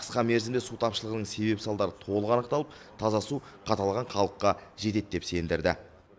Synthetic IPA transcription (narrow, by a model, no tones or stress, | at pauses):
qʰə̥sqɑme̞ɾzɪmd̪esut̪ʰɑpʃəlˠəʁənəɴse̞be̞psɑlˠd̪ɑɾət̪ʰo̞lˠəqɑnəq̚t̪ɑlˠəp̚ | t̪ʰɑzɑsu | qʰɑt̪ɑlˠʁɑɴχɑlˠəqːɑʒe̞t̪e̞t̪̚d̪e̞pse̞nd̪ɪɾd̪ɪ̰